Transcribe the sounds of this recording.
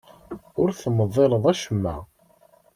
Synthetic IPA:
ʊɾθməðˤːeləðˤæʃəmːæ̰

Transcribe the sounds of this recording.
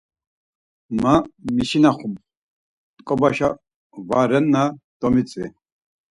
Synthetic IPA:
mamiʃinaχum | t̪kʼɔbaʃa | vaɾɛnːad̪̥ɔmit͡sʼvḭ

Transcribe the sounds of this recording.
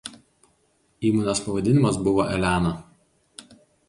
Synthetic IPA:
iːmonʲoːspɐʋɐd̪ʲɪnʲɪmɐsbʊʋoːʔɛlʲæːno

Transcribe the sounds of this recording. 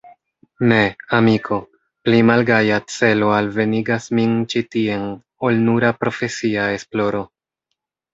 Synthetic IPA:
ne̞amikʰo̞ | plimalɡajat͡se̞lo̞alve̞niɡasmint͡ʃitie̞n | olnuɾapɾo̞fe̞siae̞splo̞ɾo̞

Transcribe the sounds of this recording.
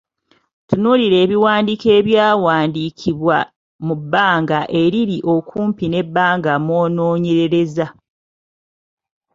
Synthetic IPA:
tunuliɾe̞ːβiwaːndike̞ːβjaːwaːndikʰiβwa | mubːaːŋɡaʔe̞ɾiɾiʔo̞kʰuːmpine̞bːaːŋɡamo̞ːno̞ːɲe̞ɾe̞ɾe̞za

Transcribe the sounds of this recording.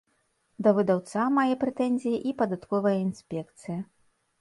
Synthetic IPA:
d̪ɐvɨd̪awt̪samajɛpɾɛt̪ɛnʲzʲijiʔipɐd̪at̪kɔvɐjɐinsʲpʲɛkt̪sɨjɐ

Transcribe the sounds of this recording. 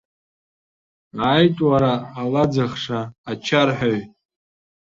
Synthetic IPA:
aːjtʼwaɾaːlad͡zaχʂaːt͡ʃʰarħʷᶣaɥʼ

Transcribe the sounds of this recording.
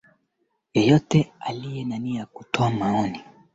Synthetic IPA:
jɔjɔtɛalijɛnaniajaku̥tʰɔamaɔni

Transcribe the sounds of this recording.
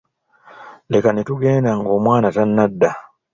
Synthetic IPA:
lekanetuɡeːndaŋɡo̞ːmwaːnatanːadːa

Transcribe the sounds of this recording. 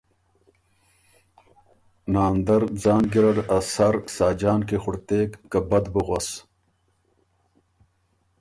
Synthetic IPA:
naːnd̪ɐɾd͡zaːnɡiɾɐɽasɐɾsaːd͡ʑaːnkexʊɽt̪eːkːɐbɐd̪bəɣɐs

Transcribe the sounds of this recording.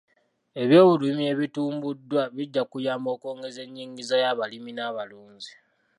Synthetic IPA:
e̞βjo̞ːβulumie̞βituːmbudwaβiɟːakujaːmbo̞ːko̞ːŋɡe̞ze̞ɲːiːŋɡizajaβaliminaβaluːɲzi

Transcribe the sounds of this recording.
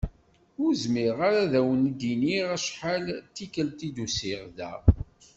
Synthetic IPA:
ʊɾzmiʁaɾaðæwənd̪iniʁæʃħalt̪ːikəlt̪id̪usiʁðæ̰

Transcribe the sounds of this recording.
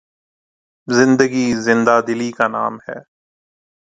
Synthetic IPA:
zɪ̃nd̪əɡiːzɪ̃nd̪aːd̪ɪliːkaːna̰ːmhɛ̰ː

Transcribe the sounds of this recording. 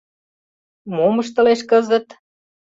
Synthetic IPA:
moməʃt̪ə̆leʃkɤzə̆t̪

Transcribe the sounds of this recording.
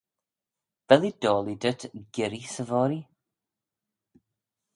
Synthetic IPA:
v̥ɛlˠid̥oːlˠidətʰɡ̥ɪɾisəvɔːɾi

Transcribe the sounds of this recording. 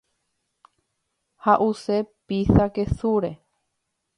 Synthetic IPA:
haʔuse̞pisake̞suɾe̞

